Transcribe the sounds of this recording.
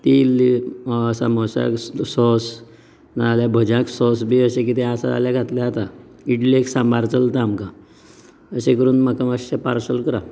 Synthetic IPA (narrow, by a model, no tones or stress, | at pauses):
t̪il | əsamɔsa̰ksɔs | naaljabʱəd͡ʑãksɔsbʱiəɕẽk̬it̪eəsa̰d͡za̰ljaɡʱat̪ljaːt̪a | iʈlieksãmbaɾt͡səlt̪aːmka | əsekəɾuːnməkəmaɕepaɾsəlkəɾa